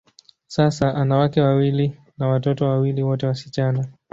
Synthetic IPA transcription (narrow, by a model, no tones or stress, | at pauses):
sasaʔanawakɛwawili | nawatɔtɔwawiliwɔtɛwasi̥t͡ʃana